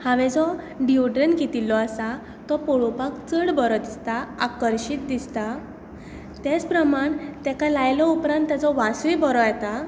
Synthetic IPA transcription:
hãʋɛ̃d͡zɔ | ɖiuɖɾənkit̪ilːɔasa | t̪ɔpɔɭopakt͡səɽbəɾɔd̪ist̪aakəɾɕit̪̚d̪ist̪a | t̪ɛt͡spɾəmaɳt̪ɛkalajlɔupɾãnt̪ːjat͡sɔʋasibɔɾɔjɛt̪a

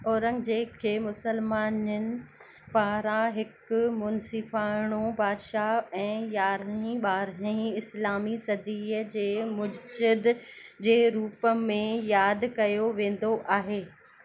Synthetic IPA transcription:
ɔːɾə̃ŋɡd͡ʑeːkʰeːmʊsəlmaːnənɪ̆ | paːɾãɦɪkʊmʊnsɪfaːɽ̃obaːd̪ʃaɛ̃ːjaːɾəĩɓaːɾɦəĩɪslaːmisɐd̪ʱiːəd͡ʑeːmʊd͡ʑɪd̪d͡ʑeːɾuːpəmẽjaːd̪kɐjoʋẽːn̆d̪oʔaːɦeː

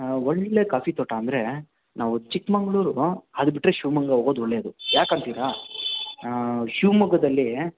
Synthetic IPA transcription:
ɔɭːe̞kɐfit̪ɔʈːɐːnd̪ɐɾe̞ | naːʋut͡ʃikmɐŋɡɭuːɾuɐd̪ubiʈːɾeʃuːmɐŋɡɐɦoːɡo̞ːd̪uɔɭːe̞ːd̪ujaːkɐnt̪iːɾa | ʃuːmuɡɐd̪ɐlːi

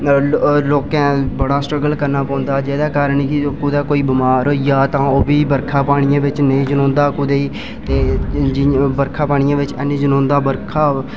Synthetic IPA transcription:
loːkɛ̃ːbəɽaːsʈɾəɡəlkəɾnaːpɔ̃ːnd̪aːd͡ʒɛːd̪aːkaːɾəɳiːkɪkʊd̪aːkoːiːbɪmaːɾoːijaːt̪ãːoːbiːbəɾkʰaːpaːɽ̃ɪjãːʋɪt͡ʃnəĩːd͡ʒənɔ̃ːnd̪aːkʊd̪ːiː | t̪eːd͡ʒɪbəɾkʰaːpaːɳɪjãːʋɪt͡ʃɛnĩːd͡ʒənõːnd̪aːbəɾkʰaː

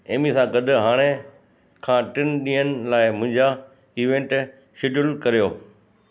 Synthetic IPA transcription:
eːmisãkɐd̪ʱʊ̆ɦaːɽ̃e | kʰãːʈɪnɗĩːənɪ̆laːɪmʊ̃ɦɪ̃ɲd͡ʑa | iːʋẽɳʈ | ʃɪɖʊlkɐɾijoː

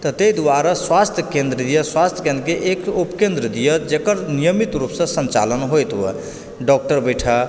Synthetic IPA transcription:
t̪ət̪ejd̪uwaɾaswast̪ʰjəkẽnd̪ɾəd̪ijəswast̪ʰjəkẽnd̪ɾəkeʔekupkẽnd̪ɾəd̪ijəd͡ʒekəɾnijəmit̪ɾupsə̃sənt͡ʃa̰lənɦojt̪ɦuḛ | ɖɔk̚ʈəɾbejʈʰa

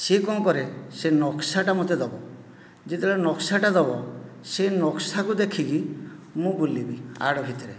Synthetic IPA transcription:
sekɔŋkɔɾesenɔksaʈamot̪ed̪ɔbɔ | d͡ʒet̪iɔnɔksaʈad̪ɔbɔsenɔksakud̪ekʰikimũbulibia̰ɽɔbʱit̪ɔɾe

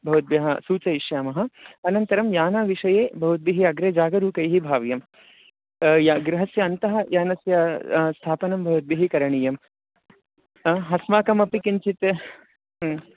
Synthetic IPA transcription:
bʱɐʋɐt̪̚ʋjɐɦɐsuːt͡ʃɐiʃjaːmɐɦɐ̆ɐnɐnt̪ɐɾɐmjaːnaːʋiʃɐjeːbʱɐɦut̪̚biɦiɐɡɾeːd͡ʒaːɡɐɾuːkɐjɦibʱaːʋjɐm | jɡɾɪɦɐsjɐːnt̪ɐɦɐ̆jaːnɐsjɐst̪ʰaːpɐnɐmbʱɐʋɐt̪̚biɦikɐɾɐɳiːjɐm | ɦɐsmaːkɐmɐpikiɲt͡ʃit̪

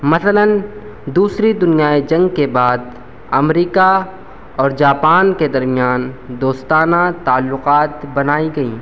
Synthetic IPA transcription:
mɐsələn | d̪uːsɾid̪ʊnijaːed͡ʒɐ̃ŋɡkebaːd̪ | ɐmɾiːka | ɔːɾd͡ʒaːpaːnked̪ɐɾmijaːnd̪oːst̪aːnãt̪aːlːʊqaːt̪bɐnaːiɡɐĩː

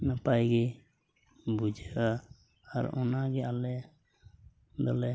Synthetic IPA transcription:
napajɡɛ | bud͡ʒʱɛʔa | aɾɔ̰naɡɛalɛ | d̪ɔlɛ

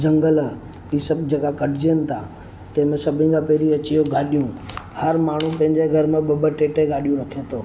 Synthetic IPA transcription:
d͡ʑɐ̃ŋɡəl | iːsɐb̚ʱd͡ʑɐɡakɐʈʰd͡ʑijənɪ̆t̪ʰa | t̪ɛ̃ːmẽsɐbʱɪ̃kãpeːɾiɐt͡ɕijoɡʱaːɗijũhɐɾmaːɳ̤ũpɐ̃ɦɪ̃ɲd͡ʑeɡʱɐɾmẽɓɐbəʈeːʈeɡaːɗijũɾɐkʰijet̪ʰoː

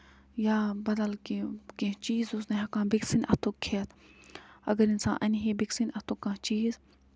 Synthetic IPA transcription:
jaːbɐd̪ɐlkikẽt͡ʃiːzusnɐɦɐkãːbeksinɐ̰t̪ʰokʰːeːt̪ʰ | ɐ̰ɡɐɾinsã̰ːnʔɐnɦebiksinɐt̪ʰokːãːt͡ʃiːz

